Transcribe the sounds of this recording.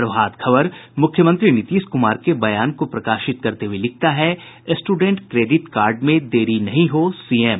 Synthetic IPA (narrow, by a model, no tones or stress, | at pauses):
ɾɐʋɦaːd̪kʰɐbəɾmʊkʰjəmə̃nt̪ɾinɪt̪iːʃkʊmaːɾkebɐjaːnkopɾɐkaːʃɪt̪̚kɐɾt̪eɦuelɪk̚t̪aɦɛ | sʈuːɖẽɳʈkɾeːɖɪʈkaːɾɖmẽd̪eːɾinɐɦĩɦosiːem